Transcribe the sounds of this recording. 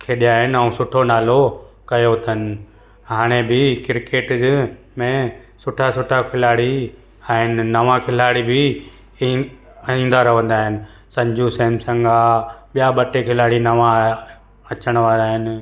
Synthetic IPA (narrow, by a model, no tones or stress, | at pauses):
kʰeːɗijaːɦɪnɪəũsʊʈʰonaːlo | kɐjot̪ʰənɪ̆ | ɦaːɽ̃ebɪkɪɾkeːʈ | mẽ | sʊʈʰasʊʈʰakʰɪlaːɽi | aaɦɪnɪ̆nɐʋãkʰɪlaːɽibɪ | ĩːn̆d̪aɾɐɦʋə̃nd̪aːɦɪnɪ̆ | sɐ̃ɲd͡ʑʱũsɐɦmsɐ̃ŋɡaɓijaɓɐʈekʰɪlaːɽinɐʋã | ɐt͡ɕəɽ̃ʋaːɾaːɦɪnɪ̆